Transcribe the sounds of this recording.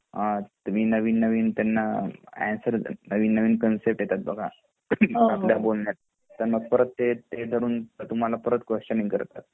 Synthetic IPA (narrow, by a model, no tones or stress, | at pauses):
ãt̪umiːnəʋiːnːəʋiːnt̪janːaæ̰nsəɾnəʋiːnːəʋiːnkənsep̚ʈjet̪at̪̚bəɡʱa | apljabolnjat̪̚ | t̪əɾməɡ̚pəɾət̪ːet̪ed̪ʱəɾuːnət̪um̤alapəɾət̪kʋeʂənĩŋɡkə̰ɾt̪at̪̚